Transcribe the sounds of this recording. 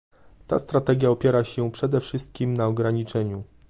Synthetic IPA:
t̪a̰st̪ɾat̪ɛɡʲjaɔpʲjɛɾaɕɛpʂɛd̪ɛfʂɘst̪̚kʲimnaɔɡɾaɲit͡ʂɛɲu

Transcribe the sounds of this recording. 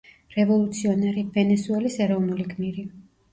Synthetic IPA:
ɾɛvɔlˠut̪sʰiɔnɛɾivɛnɛsuɛlisɛɾɔvnulikʰmiɾi

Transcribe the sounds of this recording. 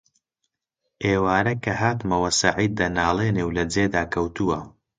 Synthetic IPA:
ʔeːwaːɾɐkʰɐɦaːt̪mɐwɐsɐʕiːd̪̚ːɐnaːlˠeːneːwlɐd͡zeːd̪aːkʰɐwt̪uwɐ

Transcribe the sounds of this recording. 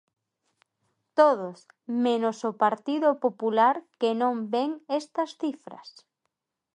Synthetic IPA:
t̪oð̞os | menosopaɾt̪iðopopulaɾkenõmbeŋest̪ɐsθifɾɐ̰s

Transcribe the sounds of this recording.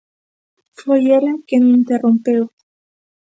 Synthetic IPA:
fojeɾakenint̪erompew

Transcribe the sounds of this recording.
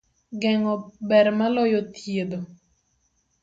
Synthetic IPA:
ɡɛŋɔbɛɾmalɔjot̪jed̪o

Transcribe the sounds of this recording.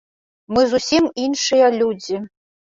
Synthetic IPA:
mɨzusʲiminʂɨjalʲud͡zʲi

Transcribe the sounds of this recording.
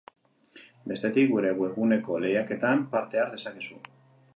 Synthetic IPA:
be̞st̪e̞t̪ik̚ɡuɾe̞ɣwe̞ɣune̞ko̞le̞jake̞t̪ampaɾt̪e̞aɾðe̞sake̞su

